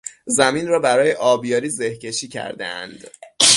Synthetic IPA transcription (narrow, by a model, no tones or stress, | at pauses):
zæmiːnrɒːbæɾɒːjeʔɒːbjɒːɾiːze̞hcʰe̞ʃiːcʰæ̰ɾd̪ḛæ̰nd̪̥